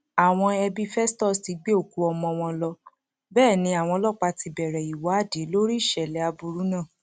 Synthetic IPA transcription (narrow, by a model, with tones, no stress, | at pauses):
a˨w̃ɔ̃˧ɛ˧bi˧fɛ˦stɔ˦˨sti˧ɡ͡be˦o˦˨ku˨˦ɔ˧mɔ̃˧w̃ɔ̃˧lɔ˧ | bɛː˦˨nĩ˧˦a˨w̃ɔ̃˧lɔ˦k͡pa˧ti˧bɛ˨ɾɛ˨i˨wa˨˦a˦˨de˨˦lo˦ɾi˦˨ʃɛ˨lɛ˨˦a˧bu˧ɾu˦nã˦˨